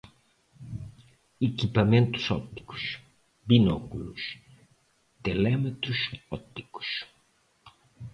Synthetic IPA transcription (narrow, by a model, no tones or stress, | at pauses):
ekipamẽnt̪u̥sɔ̰t̪ːi̥ku̥s | binɔkulus | t̪elɛmet̪ɾusɔt̪ːi̥ku̥s